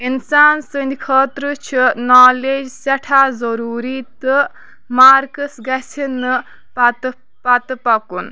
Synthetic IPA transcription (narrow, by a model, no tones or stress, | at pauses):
insaːnsɨnikʰəːt̪ɾɨt͡ʃʰinaːleːd͡ʒsɛʈʰaːzɐɾuːɾiːt̪ɨ | maːɾkəsɡɐsʰinːɨ | pɐt̪ | pɐt̪ɨpɐkun